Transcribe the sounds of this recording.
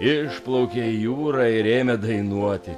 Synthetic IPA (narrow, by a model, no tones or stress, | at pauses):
ɪʃplˠɐʊkʲejuːɾɐɪɾʲeːmʲɛd̪ɐɪnuɔt̪ʲɪ